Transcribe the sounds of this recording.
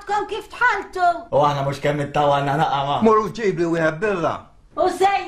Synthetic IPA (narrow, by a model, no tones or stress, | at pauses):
t̪kɔmkiːft̪ħɐlt̪uʊɐħnɐmʊʃkɛmːɪt̪ːɐwɐlnɐnɐʔɐmɐmʊɾud͡ʒiːbliwɪːħɛt̪̚bɪrːɐ̰ | ʊsɛj